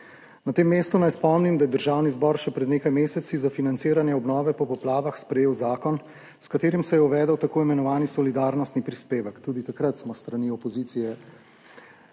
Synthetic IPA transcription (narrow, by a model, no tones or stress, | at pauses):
nɐt̪eːmːeːst̪unajspɔmnimd̪ajɛd̪əɾʒawnizbɔːɾʃɛpɾɛd̪neːkajmeːsɛt̪sizafinant̪siːɾanjɛɔbnɔːʋɛpɔpɔplaːʋaxspɾɛjeːwzaːkɔn | skat̪eːɾimsɛjɛuʋɛːd̪əwt̪akoːimɛnɔʋaːnisɔlid̪aːɾnɔst̪nipɾispeːʋəkt̪uːd̪it̪akɾat̪smɔst̪ɾaniːɔpɔziːt̪sijɛ